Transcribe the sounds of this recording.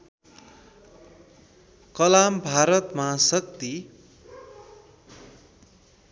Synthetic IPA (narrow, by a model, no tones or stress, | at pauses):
kʌlambʱaɾʌt̪mʌɦasʌk̚t̪i